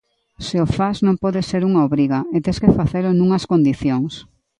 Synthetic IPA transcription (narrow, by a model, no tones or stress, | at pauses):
seofaznõmpɔðɪseɾuŋɐoβɾiɣɐet̪eskefaθelʊnũŋɐskond̪iθjoŋs